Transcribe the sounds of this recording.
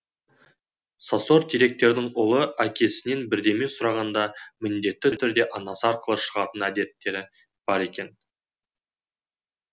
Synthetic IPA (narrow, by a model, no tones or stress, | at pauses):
saso̞ɾt̪ʰijɾe̞k̚t̪e̞ɾd̪ɪŋʊlˠəækʲe̞sɪne̞nbɪɾd̪e̞mesʊɾɑʁɑnd̪ɑmɪnd̪e̞t̪ːɪt̪ʰʏɾd̪e̞ʔɑnɑsəɑɾqəlˠəʃəʁɑt̪ənæd̪e̞t̪ːe̞ɾɪ | b̥ɑɾe̞kʲe̞n